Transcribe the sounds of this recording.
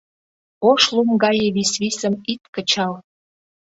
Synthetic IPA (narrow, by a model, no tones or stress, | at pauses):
oʃlumɡɑjeβisβisə̆mit̪kə̆t͡ɕɑl